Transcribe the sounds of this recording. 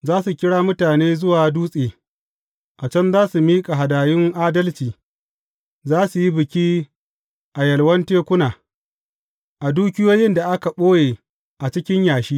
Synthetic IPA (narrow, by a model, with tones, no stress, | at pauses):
zaː˦su˨kʲɪ˦ɽaː˦mʊ˦taː˨neː˦zʊ˦waː˨duː˦sʼeː˨ | ʔa˨t͡ʃɐ˦nzaː˦su˨miː˦kʼa˨ɦa˨daː˨jɪ˦ŋʔaː˦dɐ˦lt͡ʃiː˨ | zaː˦su˨ji˦bɪ˨kʲi˦ | ʔa˨jɐ˨lwɐ˦nteː˦kʷʊ˦naː˨ | ʔa˨duː˦kʲɪ˦joː˦jɪ˦nda˨ʔa˦ka˨ɓoː˦jeː˨ | ʔa˨t͡ʃɪ˦kʲɪ˦ɲjaː˨ʃiː˦